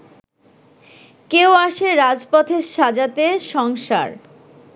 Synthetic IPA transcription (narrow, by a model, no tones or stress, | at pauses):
keoaʃeɾad͡ʑpɔt̪ʰeɾʃad͡ʑat̪eʃɔŋʃa̰ɾ